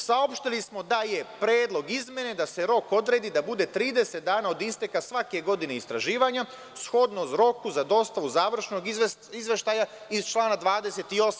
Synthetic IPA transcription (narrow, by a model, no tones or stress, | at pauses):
sao̞pʃt̪ilismo̞d̪aje̞pɾe̞ːd̪lˠo̞ɡizmʲje̞ne̞d̪aseɾo̞ko̞d̪ɾe̞ːd̪id̪abud̪e̞t̪ɾiːd̪ese̞t̪̚d̪aːnao̞d̪ist̪e̞kasʋake̞ɡo̞d̪ine̞ist̪ɾaʒiːʋaɲa | sxo̞d̪nozɾo̞kuzad̪o̞st̪aʋuzaːʋr̩ʃno̞ɡizʋe̞ʃt̪aja | izt͡ʃlˠaːnad̪ʋaːd̪e̞se̞t̪io̞sa